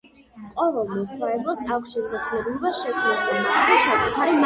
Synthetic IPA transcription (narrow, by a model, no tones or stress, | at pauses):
qʼɔvɛlˠmɔt̪ʰwaɛblˠɔsd̪akʰʃɛsʰat̪sʰlɛbilɔbasʃɛkʰmnisd̪amχʼaɾisakʼut̪ʰaɾim